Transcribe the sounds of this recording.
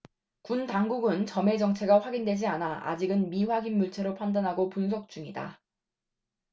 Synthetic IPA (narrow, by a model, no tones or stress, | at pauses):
kuntaŋɡuɡɯnt͡ɕʌme̞d͡ʑʌŋt͡ɕʰe̞ɡaɸwaɡindwe̞d͡ʑianaʔa̰d͡ʑiɡɯnmiɸwaɡinmuɭt͡ɕʰeɾopʰandanɦaɡopuns̬ʰʌk̚t͡ɕ͈uŋida̰